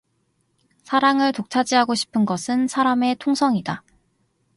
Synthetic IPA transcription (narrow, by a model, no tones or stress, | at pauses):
sʰaɾaŋɯɭtok̚t͡ɕʰad͡ʑiɦaɡoɕʰi̥pʰɯnɡʌsʰɯnsʰaɾame̞tʰoŋsʰʌŋida